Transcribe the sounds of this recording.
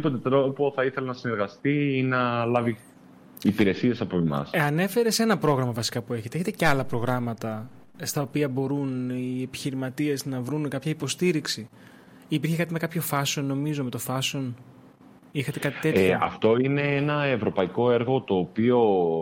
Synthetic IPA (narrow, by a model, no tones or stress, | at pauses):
po̞t̪et̪ɾopoθɐiθe̞lɐnɐsine̞ɾɣɐst̪iinɐlɐvi | ipiɾe̞sie̞sɐpoemɐ̰sɐne̞fe̞ɾe̞senɐpɾo̞ɣɾɐmɐvɐsi̥kɐpue̞çe̞t̪eeçet̪eceɐlɐpɾo̞ɣɾɐmɐt̪ɐ | st̪ɐopiɐbo̞ɾunie̞pi̥çiɾimɐt̪ie̞znɐvɾunkɐpçɐipo̞st̪iɾiksi | ipiɾçekɐt̪ime̞kɐpço̞fɐso̞nːo̞mizome̞t̪o̞fɐso̞n | ixɐt̪e̞kɐt̪i̥t̪e̞ɐ̰ft̪o̞ine̞enɐevɾo̞pɐiko̞e̞ɾɣo̞t̪o̞ːpio̞